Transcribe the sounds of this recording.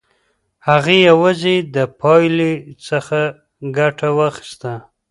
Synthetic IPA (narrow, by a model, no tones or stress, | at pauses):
haɣejawazed̪əpʰɑjlet͡səxa | ɡaʈʰawaxi̥st̪a